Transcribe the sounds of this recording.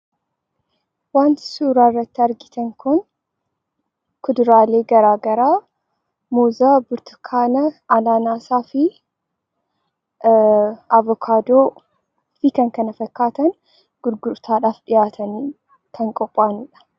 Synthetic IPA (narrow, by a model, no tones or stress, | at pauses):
waːnt̪ɪ̥suːɾaːrːɐt̪ːɪɐɾɡɪt̪ɐŋkʊn | kʊd̪ɾaːle̞ːɡɐɾaːɡɐɾaː | moːzaːbʊɾt̪ɐ̥kʰaːnɐɐlaːnaːsaːfɪ | ɐvɔkʰaːd̪oː | fɪkɐŋkɐnɐfɐkːaːt̪ɐn | ɡ̥ʊɾɡʊɾt̪ʰaːᶑaːfɗɪjaːt̪ʰɐnː | kʰɐŋkʼɔpʼːaːnɪᶑɐ̥